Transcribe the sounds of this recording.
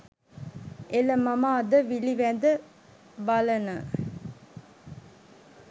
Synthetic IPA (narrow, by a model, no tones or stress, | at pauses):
eləmamaːd̪əʋiliʋænd̪ə | balənə